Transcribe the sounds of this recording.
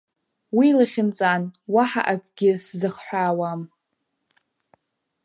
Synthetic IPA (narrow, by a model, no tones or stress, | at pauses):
wilaχʲɪnt͡sʼanwaħa̰ʔakʼɡʲɪszɨχħʷᶣaːwam